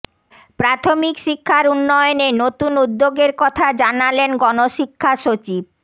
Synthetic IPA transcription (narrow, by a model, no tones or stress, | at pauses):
pɾat̪ʰomikʃikʰːaɾunːɔeonenot̪unud̪ːoɡeɾkɔt̪ʰad͡ʑanalenɡɔnoʃikʰːaʃot͡ɕib̚